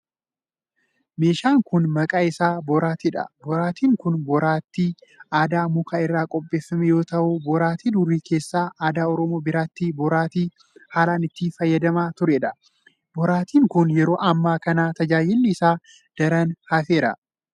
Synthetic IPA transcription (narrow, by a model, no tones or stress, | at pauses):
me̞ːʃaːŋkʊnmɐkʼaːɪsaːbɔɾaːt̪iᶑɐ̰bɔɾaːt̪iːŋkʊnbɔɾaːt̪ːiːaːd̪aːmʊkʰaːɪrːaːkʼɔpʼːe̞ːfːɐmɛjo̞ːt̪ɐʔʊbɔɾaːt̪iːd̪ʊɾːiːke̞ːsːaːʔaːd̪aːɔɾɔmoːbɪɾaːt̪ːibɔɾaːt̪iː | haːlaːnɪt̪ːiːfɐjːɐd̪ɐmaːt̪ʊɾɛᶑɐ | bɔɾaːt̪iːŋkʊnjɛɾo̞ːʔɐmːaːkɐnaːt̪ɐd͡ʒaːjɪlːɪːsaː | d̪̥ɐɾɐnhɐfe̞ːɾɐ̰